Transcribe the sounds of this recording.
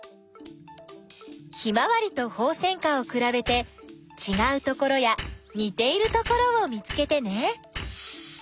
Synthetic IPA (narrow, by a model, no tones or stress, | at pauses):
çimaβaɾʲit̪o̞ho̞ːsẽ̞ŋkao̞kɯ̟ɾabe̞t̪e̞ | t͡ɕiɡaɯ̟t̪o̞ko̞ɾo̞jaɲ̟it̪e̞iɾɯ̟t̪o̞ko̞ɾo̞ːmʲit͡sɨ̥ke̞t̪e̞ne̞